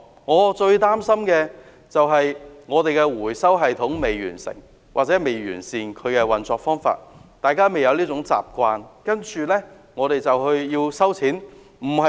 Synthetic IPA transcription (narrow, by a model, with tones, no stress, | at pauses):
ŋɔː˨˧t͡ʃɵ˧ɥt̪aː˥msɐ˥mkɛː˧ | t͡sɐ˨wɦɐ˨jŋɔː˨˧t̪e˨jkɛ˧wuː˨˩jsɐ˥wɦɐ˨jt̪ʰʊ˨˥ŋme˨jɥy̰ː˨˩nsɪ̰˨˩ŋ | wʔaː˨t̚t͡sɛ˨˥me˨˧jɥy̰ː˨˩nsiː˨nkʰɵ˨˧ɥkɛ˧wɐ˨nt͡sɔː˨˧k̚fɔː˥ŋfa̰ː˧t̚t̪aː˨jkaː˥me˨jɐ˨˧wli˥t͡sʊ˨˥ŋt͡sa̰ː˨p̚kʷaː˧nkɐ˥nt͡ʃyː˨lɛː˥ | ŋɔː˨˧ɾe˨jt͡sɐ˨whɵ˧ɥjiː˧wsɐ˥wt͡sʰiː˨˥n | m̩˨˩hɐ˨